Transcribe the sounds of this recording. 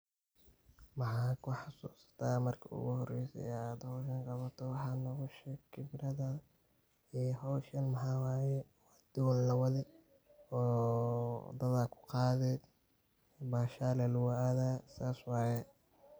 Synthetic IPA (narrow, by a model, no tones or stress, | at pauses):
wɑħɑːkʰʊħɑsuːsɐ̥t̪ʰaːmɐrkʰɐ̰ʊ̰ɣʊhɔrɛjsɛ̰ɛaːd̪hɔʃɐŋqɑβɐt̪ʰɔwɑħɑːnɔɣʊʃɛkʰɪbɾɐðɐ | ɛɦɔwʃɐnmɐħɑwaːjɛwɑd̪̥ʊwllɐwɐðɪ | ɔː | d̪ɐðakʰʊ̥qɑːðɛd̪ | baːʃaːlɐlʊwʊʔaːðaːsaːswɑːjɛ